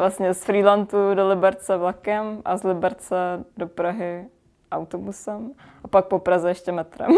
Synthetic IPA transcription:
vlast̪ɲɛsfɾiːlant̪udolɪbɛɾt͡sɛvlakɛmʔazlɪbɛɾt͡sɛdopɾaɦɪ | ʔawt̪obusɛmʔapak̚popɾazɛjɛʃcɛmɛt̪ɾɛ̰m

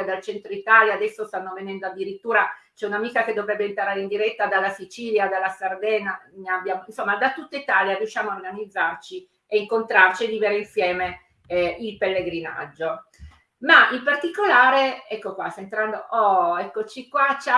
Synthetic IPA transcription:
d̪alt͡ʃɛnt̪ɾoit̪aːljaːd̪ɛsːost̪anːovenɛnd̪oad̪ːiɾit̪ːuːɾat͡ʃɛunamiːkaked̪ovɾɛbːeint̪aɾaːɾeind̪iɾɛt̪ːad̪alːasit͡ʃiːljad̪alːasard̪ɛːnaneabjaːmoinsomːad̪at̪ut̪ːait̪aːljarjuʃːjaːmoaorɡanid̪zːart͡ʃi | eiŋkont̪ɾart͡ʃied̪iveɾeinsjɛːme | ilpelːeɡɾina̰d͡ʒːo | maimpart̪ikolaːɾeɛkːokwasaent̪ɾand̪oʔɔɛkːot͡ʃikwat͡ʃa

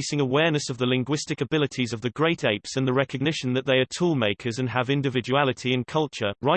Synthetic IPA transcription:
sɪ̃ŋəwɛːnəsəvðəlɪ̃ŋɡwɪstɪkəbɪlɪtʰizəvðəɡɹeɪtʰeɪpsə̃nðəɹɛkəɡ̚nɪʃə̃nðəʔðeɪətʰuːlˠmeɪkʰəzə̃nəvɪ̃ndɪvɪd͡ʒualɪtʰiɪ̃nkʰʌlˠt͡ʃəɹaɪ

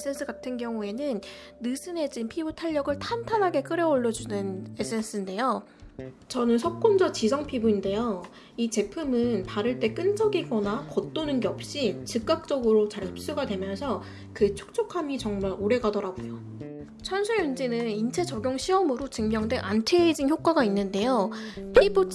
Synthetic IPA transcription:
es͈ʰe̞ns͈ʰɯɡatʰɯnɡjʌŋue̞nɯnː | ɯsʰɯne̞d͡ʑinpʰibutʰaʎːʌɡɯɭtʰantʰanɦaɡe̞k͈ɯɾjʌoɭːʌd͡ʑunɯne̞s͈ʰens͈ʰɯinde̞jo | t͡ɕʌnɯnsʰʌp̚k͈ond͡ʑʌt͡ɕis̬ʰʌŋpʰibuinde̞jo | it͡ɕe̞pʰɯmɯnpaɾɯɭt͈e̞k͈ɯnd͡ʑʌɡiɡʌnakʌt͈̚onɯnɡe̞ʌp̚ɕ͈it͡ɕɯk͈̚ak̚t͡ɕ͈ʌɡɯɾot͡ɕaɾɯp̚s͈uɡadwe̞mjʌnsʰʌ | kɯt͡ɕʰu̥k̚t͡ɕ͈ʰokʰamit͡ɕʌŋmaɾoɾe̞ɡadʌɾaɡojo | t͡ɕʰʌnsʰujund͡ʑinɯnint͡ɕʰe̞t͡ɕʌɡjoŋɕʰiʌmɯɾot͡ɕɯŋmjʌŋdwe̞ʔantʰeid͡ʑinçjok͈̚aɡainːɯnde̞jopʰibu

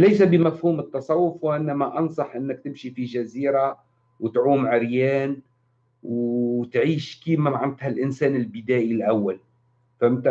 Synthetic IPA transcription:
lejsabɪmafhuːmɨt̪ːɑsˤɑwːʊfwɪʔɪnːamaʔɑnsˤɑħʔɪnːak̚t̪ɪmʃifiʒaziːɾa | wɪt̪ʕuːmʕɪɾjaːn | wt̪ʕiːʃkiːmamaʕant̪halʔɪnsaːnɪlbɪd̪aːʔilʔawːal | famɪt̪a

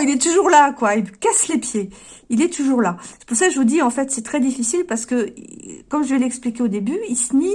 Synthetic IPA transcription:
ilɛt̪uʒuʁlakwailkaslepje | ilɛt̪uʒuʁlasə̥puʁsakʒəvud̪iɑ̃fɛt̪sɛt̪χɛd̪ifisilpaʁsə̥kəkɔmʒəvɛlɛksplikʲeod̪ebyilsəni

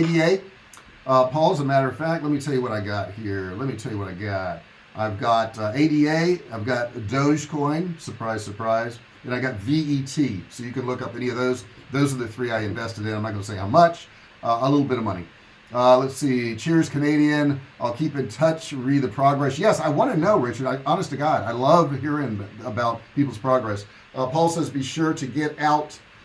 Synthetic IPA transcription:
eɪɾieɪ | ʌpʰɔlˠzəmæɾə˞ʌv̥fæk̚ˡlɛt̚mitʰɛlˠjɨwʌɾaɪɡɑt̚hiɹlɛt̚mitʰɛlˠjɨwʌɾaɪɡɑt̚ | ʔaɪvɡɑɾeɪɾieɪaɪvɡɑt̚d̥oʊʒ̥kʰɔ̃ɪ̃nsə˞pʰɹ̥aɪz̥sə˞pʰɹ̥aɪz | ɨ̃ñaɪɡɑtviːtʰisoʊjɨkɨ̃nlʊkʌpɛñiʌvðoʊzðoʊzə˞ðɨθɹiaɪɨ̃ɱvɛstɨɾɨ̃nãɪ̃mnət̚ɡ̥ʌnəseɪhaʊmʌt͡ʃ | ʔəlɪɾl̩ˠbɪɾʌvmʌñḭ | lətsit͡ʃʰɪɹz̥kʰɨneɪɾiɨ̃nʔaɪlˠkʰipɨ̃ntʰʌt͡ʃɹid̪̚ðɨpʰɹ̥ɑɡɹɛsjɛsaɪwɑ̃ñɨnoʊɹɪt͡ʃə˞ɾaɪʔɑnɨstɨɡɑɾaɪlʌvɦiɹɪ̃nəbaʊt̚pipl̩ˠz̥pʰɹ̥ɑɡɹɛs | pʰɔlˠsɛzbiʃʊɹɾɨɡɛɾaʊt

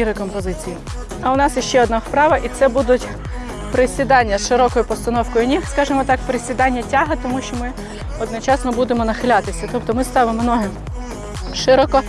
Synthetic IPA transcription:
iɾɪkɔmpɔzɪt͡sʲiji | ɐʊnɑsjiʃt͡ʃɛɔd̪nafpɾɑʋɐʔit̪sɛbud̪ʊtʲ | pɾɪsʲʋʲid̪ɑnʲːɐsʃɪɾɔkɔjʊpɔst̪ɐnɔwkɔjʊnʲixskɑʒemɔt̪ɑk̚pɾɪsʲʋʲid̪ɑnʲːɐtʲaɦɪt̪ɔmuʃt͡ʃɔmɪ | ɔd̪nɔt͡ʃɑsnɔbud̪emɔnɐxɪlʲɑt̪ɪsʲɐt̪ɔpt̪ɔmɪst̪ɑʋemnɔɦe | ʃɪɾɔkɔ

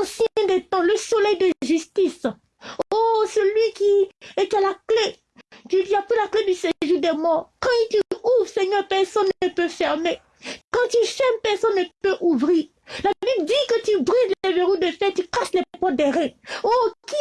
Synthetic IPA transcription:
sɛ̃d̪ɛt̪ɑ̃ləsolɛjd̪əʒyst̪is | osəlɥikiet̪alakle | t̪yd̪iapilakled̪yseʒud̪ɛmɔʁkɑ̃t̪yuvʁsɛɲœʁpɛʁsɔnːəpøfɛʁme | kɑ̃t̪yʃɛmpɛʁsɔnːəpøʔuvʁiʁ | labibld̪ikət̪ybʁizlɛveʁud̪efɛt̪ykaʃlɛɛpɔd̪ɛʁɛ̃oki

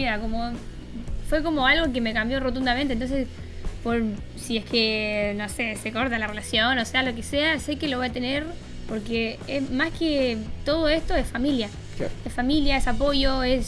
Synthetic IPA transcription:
miɾakomo | fwe̞ko̞mo̞alɣo̞k̬eme̞kambjo̞rot̪und̪amẽnt̪ent̪nses | poɾ | sie̞skeno̞seseko̞ɾt̪alarelasjo̞nosealokesease̞keloβo̞jat̪e̞neɾ | po̞ɾkeesmasket̪o̞ð̞oest̪o̞esfamilja̰ | esfamiljaesapo̞jo̞es

